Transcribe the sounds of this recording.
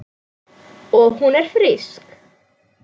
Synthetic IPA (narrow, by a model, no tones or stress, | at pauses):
ɔɦunɛɾ̥fɾɪsk